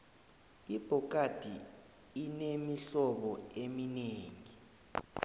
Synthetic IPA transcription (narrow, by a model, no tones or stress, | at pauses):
ib̥ʱɔk̬ʼad̥ʱi | inemiɬɔɓɔemineːŋi